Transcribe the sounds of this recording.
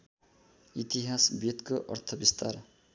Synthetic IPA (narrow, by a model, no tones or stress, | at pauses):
it̪iɦasbit̪koʔʌ̰rt̪ʰʌbist̪ar